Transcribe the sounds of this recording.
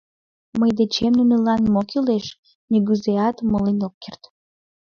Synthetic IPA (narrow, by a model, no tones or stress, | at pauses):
məjd̪et͡ɕemnunĕlɑnmokileʃ | nʲiɡyzeɑt̪molinokːert̪